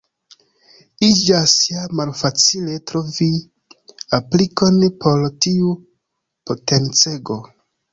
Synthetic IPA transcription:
id͡ʒasjamalfat͡sile̞tɾo̞vi | apliko̞npʰo̞ɾtiu | pote̞nt͡se̞ɡo̞

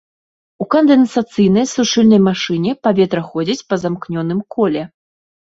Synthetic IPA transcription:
ukɐnd̪ɛnsat̪sɨjnɐjsuʂɨlʲnɐjmaʂɨnʲɛpavʲɛt̪ɾɐxɔd͡zʲit͡sʲpɐzamknʲɔn̪ɨmkʰɔlʲɛ

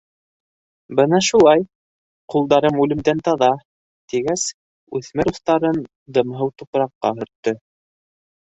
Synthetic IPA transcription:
bɤnɑʃulˠɑj | qulˠd̪ɑɾɤmʉlɘ̆md̪ænt̪ɑðɑ | t̪iɡæs | ʉθmɘɾuθt̪ɑɾɤn | d̪ɤ̆mɦɤwt̪upɾɑqːɑ̰ɦɵ̆ɾt̪ːɤ

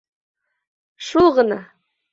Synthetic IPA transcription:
ʃulˠʁɤ̆nɑ

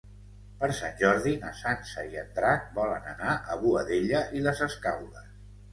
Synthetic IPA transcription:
pəɾsanʲʒɔɾðinəsansəiənt̪ɾak̚bɔlənənaʔəβuəðeʎəʔiləzəskawðə

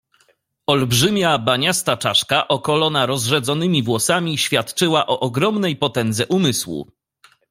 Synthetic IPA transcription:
ɔlbʐɘmʲjabaɲast̪at͡ʂaʂkaʔɔkɔlɔnaɾɔzʐɛd̪zɔnɘmʲivwɔsamʲiɕfʲjat̪t͡ʂɘwaʔɔʔɔɡɾɔmnɛjpɔt̪ɛnd̪zɛʔumɘswṵ

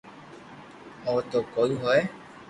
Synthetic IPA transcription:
oːt̪oːkoːiːɦoeː

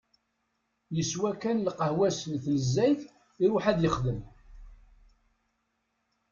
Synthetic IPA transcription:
jəswækːænlqəhwæslθlzːæjθ | iɾʊħæðjəχðəm

